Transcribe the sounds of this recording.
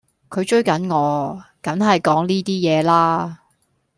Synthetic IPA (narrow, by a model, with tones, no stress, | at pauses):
kʰɵ˨˧ɥt͡ʃɵ˥ɥkɐ˨˥nŋɔː˨˧kɐ˨˥nɦɐ˨jkɔː˨˥ŋliː˥t̪iː˥jɛː˨˧laː˥